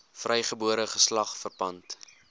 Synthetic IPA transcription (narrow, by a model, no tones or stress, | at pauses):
frɛjχəbuəɾəχəslɐχfərpɐnt